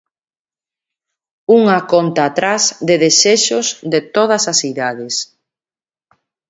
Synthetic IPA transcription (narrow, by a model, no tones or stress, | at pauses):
uŋakɔnt̪aːt̪ɾazðeðeseʃosðet̪oð̞ɐsasθiðaðes